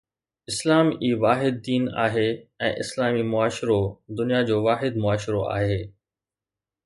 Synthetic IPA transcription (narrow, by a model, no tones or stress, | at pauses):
ɪslaːmiːʋaːɦɪd̪̚ːiːna̰ːɦeɛ̃ːʔɪ̰slaːmimʊaːʃɾod̪ʊnijad͡ʑoːʋaːɦɪd̪mʊaːʃɾoa̰ːɦeː